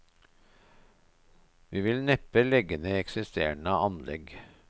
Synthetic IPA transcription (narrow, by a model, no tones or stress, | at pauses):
ʋiːʋɪlnɛpəlɛɡənəɛksɪst̪ḛːɳəɑnlɛ̰ɡ